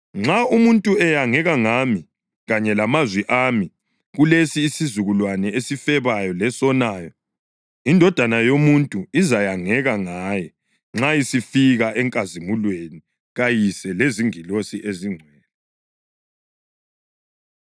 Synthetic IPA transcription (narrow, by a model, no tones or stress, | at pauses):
ŋ͡ǁaumuntʼuɛjaŋɛɣaŋami | ɣaɲɛlamazwiʔami | ɣulesiːsizuɣulwanɛesifɛβajɔlɛsɔnaːjɔ | indʱɔd̥ʱanajomuntʼuizajaŋɛɣaŋaːjɛ | ŋ͡ǁaisifiɣaʔɛŋkʼazimulweni | ɣajisɛleziŋilosiʔeziŋ͡ǀʱwɛːlɛ